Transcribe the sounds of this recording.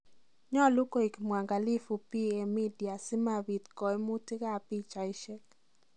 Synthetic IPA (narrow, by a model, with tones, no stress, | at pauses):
ɲɔ˦lu˦ko˦i˨kmwa˨ŋɡa˨li˦fu˨pi˦e˨mi˦dja˨sɪ˦ma˨bi˨t̪kɔ˨ɛ˦mu˦ti˦ka˦˨pi˦t͡ʃa˨ɪ˦ʃɛ˦k